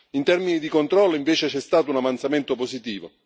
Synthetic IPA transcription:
int̪ɛrminid̪ikont̪ɾɔlːoiɱveːt͡ʃet͡ʃɛst̪aːt̪ʊunavant̪samɛnt̪opozit̪iːvo̰

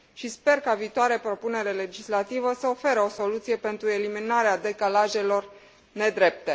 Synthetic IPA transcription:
ʃispe̞rkaviːt̪oaɾapɾo̞pune̞ɾe̞le̞d͡ʒislat̪ivəsəofe̞ɾəo̞so̞lut̪sije̞pe̞nt̪ɾue̞liminaɾead̪e̞kalaʒe̞lo̞r | ne̞d̪ɾe̞p̚t̪e̞

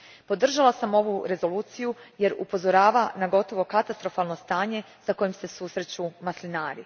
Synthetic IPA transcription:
po̞d̪r̩ʒalasamo̞ʋuɾe̞zo̞luːt̪sijuje̞ɾṵpo̞zo̞ɾaːʋanaɡo̞t̪o̞ʋo̞kat̪ast̪ɾo̞falˠno̞st̪aːɲe̞ | sako̞jimse̞suːsɾe̞t͡ɕumaslinaːɾḭ

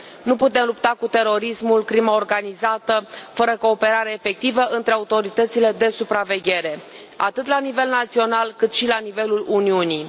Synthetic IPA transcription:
nuput̪e̞mlupt̪akut̪e̞ɾo̞ɾismulkɾimaorɡanizat̪əfəɾəko̞ːpe̞ɾaɾeaefe̞k̚t̪ivəʔɨnt̪ɾe̞aut̪o̞ɾit̪ət̪sile̞d̪e̞supɾave̞ɡʲe̞ɾe̞ | at̪ɨt̪lanive̞lnat̪sio̞nalkɨt̪ʃilanive̞luluniuni

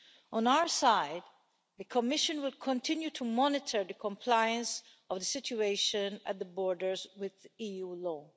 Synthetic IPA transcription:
ʔɔ̃naʊə˞saɪd̪ | ðəkʰɔmɪʃə̃nwɪlkʰɔ̃ntʰɪ̃njutʰumɔnɪtʰə˞d̪əkʰɔ̃mpʰlaɪə̃ns | ɔvðəsɪt͡ʃueɪʃə̃næ̰t̪̚d̪əbɔɹdəɹzwɪðijulɔː

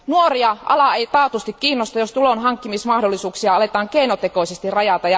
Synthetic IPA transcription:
nuoriɑʔɑ̰lɑeit̪ɑːt̪ust̪ikkiːnːost̪ɑjost̪ulonɦɑŋkːimismɑhdolːisuːksiɑɑle̞t̪ɑːŋkeinot̪ekoisest̪irɑjɑt̪ɑjɑ

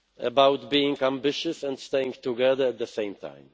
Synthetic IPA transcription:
ə̰bawt̪biɪ̃ŋɡãmbɪʃɨsɛ̃ndst̪eɪɪ̃ŋt̪uɡɛðə˞ɛt̪̚d̪əsẽj̃mt̪ʰã̰ɪ̃m

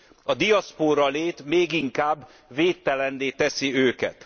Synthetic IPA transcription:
ɒd̪ijɒspoːɾɒleːt̪meːɡiŋkaːbː | veːt̪ːɛlɛnːeːt̪ɛsiøːkɛ̰t̪

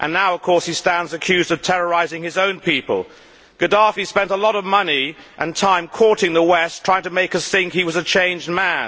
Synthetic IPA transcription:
ʔɨ̰̃nːaʊʌv̥kʰɔɹshistæ̃ndzɨkʰj̥ʉzdʌv̥tʰɛɹə˞aɪzɪ̃ŋɨzõʊ̃npipə̰lˠ | ɡ̥ɨdɑfispɛ̃ntəlɔɾʌvmʌniʔɨ̃ntʰãɪ̃mkʰɔɹɾɪ̃ŋðəwɛstʰɹ̥aɪɪ̃ŋtʰəmeɪkʌsθɪ̃ŋkiwʌzɨt͡ʃʰẽɪ̃nd͡ʒd̚mæ̃n

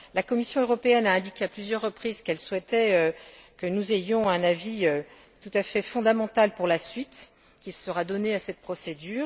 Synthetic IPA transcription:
lakɔmisjɔ̃øʁɔpeɛnaɛ̃d̪ikʲeaplyzjœʁːəpχizkɛlswɛt̪ɛøkənuzejɔ̃ɛ̃naviø | t̪ut̪afɛfɔ̃d̪amɑ̃t̪alpuʁlasɥit̪ | kʲisəʁad̪ɔneasɛt̪̚pχɔsed̪yːʁ

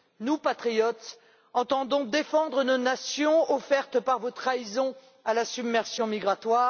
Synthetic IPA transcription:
nupat̪χijɔt̪ | ɑ̃t̪ɑ̃d̪ɔ̃d̪efɑ̃d̪ʁənonasjɔ̃ɔfɛʁt̪paʁvot̪χaizɔ̃ | alasybmɛʁsjɔ̃miɡʁat̪waːʁ

